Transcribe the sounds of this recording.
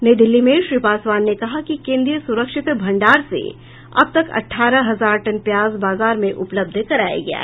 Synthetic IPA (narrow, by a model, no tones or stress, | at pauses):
ned̪ɪlːimẽʃɾiːpaːswaːnːekɐɦakikẽːnd̪ɾijəsʊɾəkʃɪt̪bʱɐ̃ɳɖaːɾsḛ | ɐ̰b̚t̪ɐkɐ̰ʈʰːaːɾəɦɐzaːɾʈɐnpjaːzbaːzaːɾmẽʔʊpləb̚d̪ʱkɐɾaːja̰ɡɐja̰ː